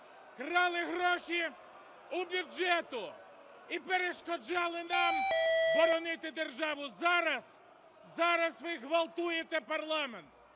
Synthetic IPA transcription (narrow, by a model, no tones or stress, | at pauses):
kɾɑlˠɪɦɾɔʃi | ubʲud͡ʒɛt̪ʊ | ipeɾeʃkɔd͡ʒɑlˠɪnɑmbɔɾɔnɪt̪ɪd̪erʒɑʋʊzɑɾɐs | zɑɾɐsʋɪɦʋɐlˠt̪ujet̪ɛpɐrlˠɑment̪